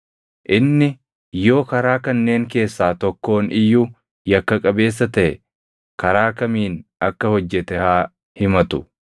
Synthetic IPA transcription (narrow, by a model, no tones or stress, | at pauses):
ʔɪnːɪ | jo̞ːkɐɾaːkɐnːe̞ːŋke̞ːsːaːt̪ɔkːo̞ːnɪjːuː | jɐkːɐkʼɐbe̞ːs̬ːɐt̪ɐʔɛ | kɐɾaːkɐmiːnɐkːɐhɔd͡ʒːɛt̪ɛhaː | hɪmɐt̪ʊ